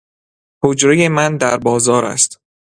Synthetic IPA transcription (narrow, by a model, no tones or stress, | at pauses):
hod͡ʒɾejemænd̪æɾbɒːzɒːɾæ̰st̪